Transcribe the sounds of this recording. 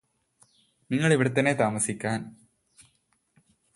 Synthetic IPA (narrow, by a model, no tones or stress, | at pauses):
niŋːɐɭiʋiɽɐt̪ːɐnːet̪aːmɐsikʲːaːn